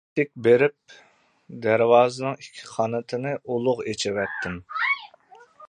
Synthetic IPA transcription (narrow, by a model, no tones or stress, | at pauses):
ɪk̚ʲbeɾɪp̚ | d̪æɾwɑːzɨnɨŋikʲʰːi̥χʰɑnɨt̪ʰɪnɨʔolˠʊʁet͡ʃʰɪwɛt̪ʰːɪm